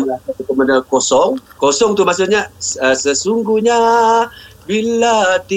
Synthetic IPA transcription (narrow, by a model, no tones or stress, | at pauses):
aakəmanakosɔŋkosɔŋt̪umas̬uɲasəsəsuŋɡuhɲa | biladi